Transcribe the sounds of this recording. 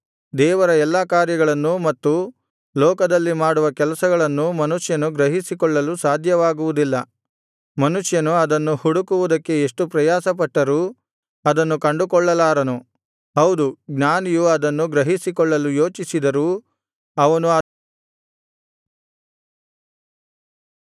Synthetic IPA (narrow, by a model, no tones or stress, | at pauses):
d̪ɛːʋɐɾɐɛlːɐkaːɾjɐɡɐɭɐnːumɐt̪ːu | lɔːkɐd̪ɐlːimaːɽuʋɐkɛlɐsɐɡɐɭɐnːumɐnuʂjɐnuɡɾɐɦisikɔɭːɐlusaːd̪ʱjɐʋaːɡuʋud̪ilːɐ | mɐnuʂjɐnuɐd̪ɐnːuhuɽukuʋud̪ɐkːe̞eʂʈupɾɐjaːsɐpɐʈːɐɾuː | ɐd̪ɐnːukɐɳɖukɔɭːɐlaːɾɐnu | ɦɐwd̪uɡnaːnijuɐd̪ɐnːuɡɾɐɦisikɔɭːɐlujo̞ːt͡ʃisid̪ɐɾu | ɐʋɐnuɐ